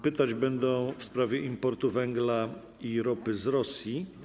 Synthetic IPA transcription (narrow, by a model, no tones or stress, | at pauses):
pɘt̪ad͡ʑbɛnd̪ɔ̃w̃fspɾavʲjɛʔimpɔɾt̪uvɛŋɡla | iɾɔpɘzɾɔsʲji